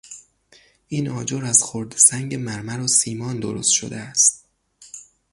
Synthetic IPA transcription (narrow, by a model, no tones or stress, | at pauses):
iːnɒːd͡ʒoɾæz̥xoɾd̪sæŋɟemæɾmæɾosiːmɒːnd̪o̰ɾo̰st̪ʃo̰d̪eæst̪̚